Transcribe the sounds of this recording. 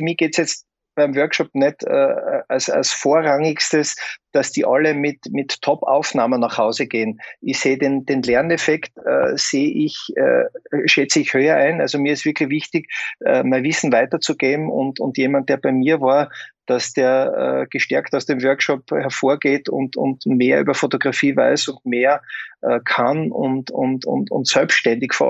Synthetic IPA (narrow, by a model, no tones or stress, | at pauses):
fmiɡ̥eːtsjɛt͡st̚ | b̥æɪmvœɐkʃɔp̚nɛtʰɛ̰a̰lsa̰lsfoːɐʁaŋɪkstəsd̥asd̥iːʔaləmɪtmɪtʰːɔpa̰ʊfnaːmənːaχhaʊzəɡ̥eːənɪçseːədend̥eːnlɛɐnɛfɛktə̰seːʔɪçɛ̰ːʃɛt͡səɪçhøːɐʔæɪna̰lzomiɐɪstv̥ɪɐkʰlɪçv̥ɪçtɪkɛ̰maɪvɪsn̩vaɪtɐt͡suɡ̥eːn̩ʊ̰ntʊ̰ntjeːmant̚d̥eːɐb̥æɪmiːɐvaːɐd̥asd̥eːɐə̰ɡ̥əʃtɛɐktaʊsd̥eːmvœɐkʃɔphɛɐfoːɐɡeːtʊ̰ntʊ̰ntmeːɐʔy̰ːbɐfotoɡ̥ʁafiːva̰ɪsʊntmeːɐʔɛːkʰanʊ̰ntʊ̰ntʊ̰ntʊ̰ntsœlpʃtɛndɪçfo̰